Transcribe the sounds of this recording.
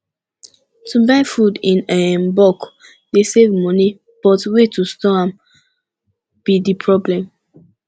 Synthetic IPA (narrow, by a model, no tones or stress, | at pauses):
tʰubaɪfudĩnɛmbɔk | desevmɔni | b̥ɔtwetustɔãm | b̥idipʰɹɔblɛ̃m